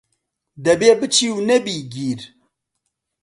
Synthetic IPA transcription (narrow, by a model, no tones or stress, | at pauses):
d̪ɐbebɨt͡ʃʰiwnɐbiɡiːɾ